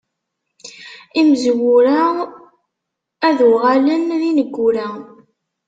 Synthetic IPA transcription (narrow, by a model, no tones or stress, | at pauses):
imzwʊɾa | æðʊʁalənðinəɡʷːʊɾæ